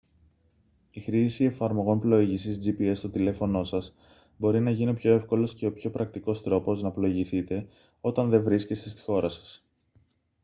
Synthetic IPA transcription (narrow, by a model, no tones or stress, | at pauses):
ixɾisie̞fɐɾmo̞ɣo̞mplo̞iʝisizd͡ʒipie̞st̪ot̪ile̞fo̞no̞sɐs | bo̞ɾinɐʝiniopço̞e̞fko̞lo̞sce̞o̞pço̞pɾʔɐk̚t̪iko̞st̪ɾo̞po̞znɐplo̞iʝiθit̪e̞ | o̞t̪ɐnðe̞vɾisce̞st̪e̞st̪i̥xo̞ɾɐsɐ̥s